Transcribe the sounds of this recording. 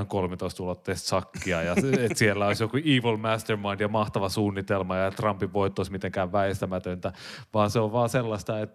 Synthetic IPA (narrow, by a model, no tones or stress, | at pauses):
ŋkolmet̪oist̪ulot̪ːeːst̪sɑkːiɑjɑet̪sielːæoisjokuiːʋolmæst̪ermɑind̥̪jɑmɑht̪ɑʋɑsuːnːit̪elmɑjɑet̪rɑmpiʋʋoit̪ːoismit̪eŋkæːʋʋæest̪æmæt̪ønt̪æʋɑːnseoʋʋɑːselːɑst̪ɑet̪ː